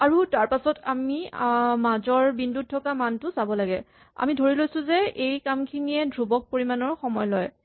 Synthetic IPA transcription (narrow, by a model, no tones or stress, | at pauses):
aɹutaɹpasɔta̰mimazɔɹbindut̚tʰːɔkamantʊsabɔlaɡɛ̰ | a̰midʱoɹilojsʊzɛejkamkʰiniɛdʱɹubɔk̚poɹimanɔɹxɔmɔjlɔj